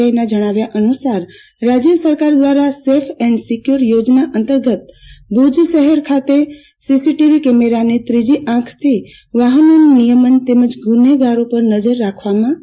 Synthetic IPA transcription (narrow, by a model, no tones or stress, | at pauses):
ainad͡ʒəɽ̃aʋjaʔənusaɾː | ad͡ʒjəsəɾkaɾd̪ʋaɾasefʰɛ̃ɳɖsikjuɾjod͡ʒnaʔənt̪əɾɡət̪̚b̪ʱud͡ʒʃəɦəɾkʰat̪e | sisiʈiʋikemeɾanit̪ɾid͡ʒiʔãkʰt̪ʰi | ʋaɦənonunijəmənt̪eməd͡ʒɡʱuneɡaɾopəɾnəd͡ʒəɾːakʰʋamã